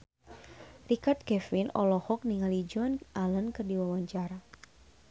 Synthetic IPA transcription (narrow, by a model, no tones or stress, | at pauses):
rikart̪̚kɛfinɔ̰lɔhɔk̚niŋalid͡ʒɔnalənkɨrdiwawaɲt͡ʃaɾa